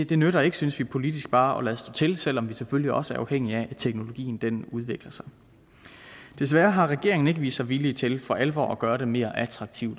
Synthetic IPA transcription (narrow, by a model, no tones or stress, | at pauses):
d̥e̝nøɾɐe̝ɡ̥əsynsʋipʰo̝lid̥isɡ̥̚b̥ɑ̈ːɒ̽læðˠsd̥ɔ̰ːt͡sʰe̝lsel̰ɒ̽mʋiseføliɒ̽səæɐʔɑ̈ʊeŋ̰iæʔæt͡sʰeɡ̥no̝lo̝ɡ̥ḭːn̩d̥enuð̞ˠʋe̝ɡ̥lɐsɑ̈ɪ | d̥e̝s̬ʋæːɐɦɑ̈ʁɛɡ̥e̝ɐeŋn̩e̝ɡ̥əʋḭːsːɑ̈ɪʋilit͡sʰe̝lfɒ̽ʔælʋɒ̰ːæɡ̥ɶːɐɾe̝me̝̰ːɐʔæt͡sʰʁɑ̈ɡ̥̚t͡sʰiʊd̥